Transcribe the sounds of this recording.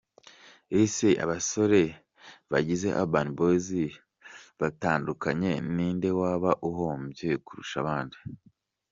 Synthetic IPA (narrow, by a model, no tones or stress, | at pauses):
isiʔa̰βaso̞ɾe̞ | βaɟize̞ʔa̰banbozi | βataːndukaɲe̞niːnde̞waːβaʔuɦombjekuɾṵʃaβaːndi